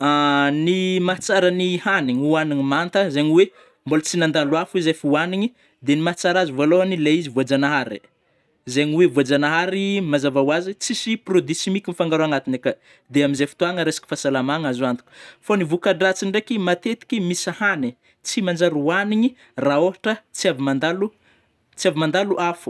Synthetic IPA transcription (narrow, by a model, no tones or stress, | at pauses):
animat͡saɾanihaniɲuaniɲimant̪əzeɲiwe | mbolt͡sinand̪alwafizefuaniɲi | d̪enimat͡saɾazivaloanileizivuad͡zanaɦaɾḭ | zeɲiwevuad͡zanaɦaɾimazavawazit͡sisiprod̪isimikʲinifaŋɡaɾoaŋat̪inekə | d̪eamizefu̥t̪uaŋəɾesḁkʲi̥fasalamaŋazoant̪i̥kʲu̥fonivukaɖ͡ʐat͡siɳɖ͡ʐekimat̪et̪i̥kʲimisahani | t͡simand͡ʒaɾuaniɲi | raoɦaʈ͡ʂət͡siavimand̪alu | t͡siavimand̪aluʔafu̥